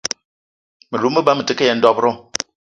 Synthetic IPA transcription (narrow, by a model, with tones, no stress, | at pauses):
mə˨lu˨˦mə˦ba˦mə˨tɨ˨˦ke˦jɛ˨n̩˦dɔ˦pɾɔ˦˨